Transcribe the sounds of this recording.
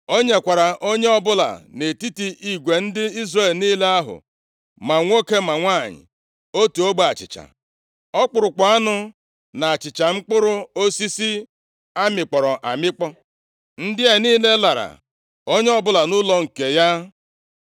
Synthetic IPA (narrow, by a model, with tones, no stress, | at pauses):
o˦ɲe˨kʷa˨ɾa˨ʔo˦ɲe˦ɔ˦bʊ˦la̰˨ne˨ti˦ti˦ʔi˦ɡʷe˨n̩˦dɪ˦i˦zre˦˨lniː˦le˦a˦ɦʊ̰˨ | ma˨ŋʷo˦ke˦ma˨ŋʷa˦˨ɲɪ̰˨ | o˦tu˨o˦ɡ͡ba˨t͡ʃɪ̰˨t͡ʃa̰˨ | ɔ˦k͡pʊ˨ɾʊ˨kʷa˨a˦nʊ˦ | na˨a˨t͡ʃɪ˨t͡ʃa˨ŋ͡m̩˦k͡pʊ˦ɾʊ˦o˦si˦si˦ | a˦mɪ˨k͡pɔ˨ɾɔ˨ʔa̰˨mɪ˦k͡pɔ˦ | n̩˦dɪ˦e˨niː˦le˦la˨ɾa̰˨ | o˦ɲe˦ɔ˦bʊ˦la˨nʊ˦lɔ˦ŋ̩˨ke˨ja˦